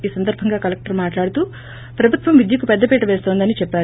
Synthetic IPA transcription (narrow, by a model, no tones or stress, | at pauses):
iːsɐnd̪ɐɾbʱɐŋɡaːkɐlek̚ʈɐɾmaːʈlaːɽut̪uː | pɾɐbʱut̪ʋɐmʋid̪jɐkupɛd̪ːɐpiːʈɐʋeːst̪o̞ːnd̪ɐnit͡ʃɛpːaːɾ